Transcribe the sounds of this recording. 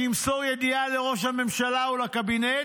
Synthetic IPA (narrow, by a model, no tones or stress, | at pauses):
imsoʁjed̪ialeʁo̞ʃ̬hame̞mʃalaulakabine